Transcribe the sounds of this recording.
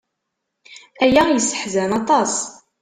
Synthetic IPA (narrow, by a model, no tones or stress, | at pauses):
æjæjəsːə̥ħzænɑt̪ˤɑs